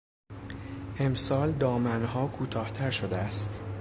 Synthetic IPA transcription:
ʔe̞msɒːld̪ɒːmænhɒːkʰuːt̪ʰɒːht̪ʰæɾʃod̪eæst̪

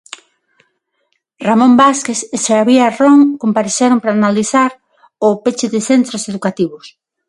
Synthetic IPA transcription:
ramõmbaskeseʃaaβiaroŋkompaɾisɛɾompɾaːnaliθaɾ | ʊpet͡ʃɪðɪθent̪ɾoseðukat̪iβʊs

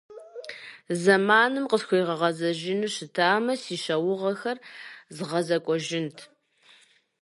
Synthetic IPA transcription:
zɐmaːnɨmqəsxʷejʁɐʁɐzɐʒɪnɨɕɪtʰaːmɐsiːɕɐwʊʁɐxɐrzɨʁɐzɐkʷʼɔʒɪntʰ

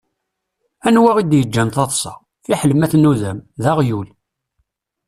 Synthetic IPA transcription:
ænwæʁid̪jəd͡ʒːænθɑt̪ˤsˤɑ̰ | fiħləmæθnuðæmðæʁjul

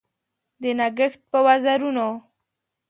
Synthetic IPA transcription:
d̪ənaɡəxt̪̚pəwazaɾuno

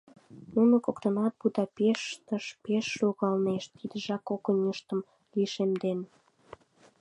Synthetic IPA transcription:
nunŏkokt̪ənɑt̪̚bud̪ɑpeʃt̪əʃpeʃːoɣɑlneʃt̪id̪ə̆ʒɑkokə̆nʲəʃt̪ə̆m | liʃemd̪en

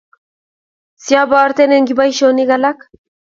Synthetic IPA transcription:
sjaβaːɾt̪eneŋɡiβajʃooniɣalak

